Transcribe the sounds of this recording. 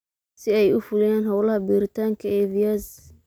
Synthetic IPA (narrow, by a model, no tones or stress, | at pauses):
sɪɛjʊfʊlɪjɛːnɦɐwlɐhɐbiːɾɪt̪ʰaːŋkʰɐɛːvijɐz